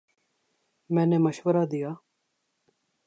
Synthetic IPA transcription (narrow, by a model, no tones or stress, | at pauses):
mɛ̃ːneməʃʋəɾaːd̪ijaː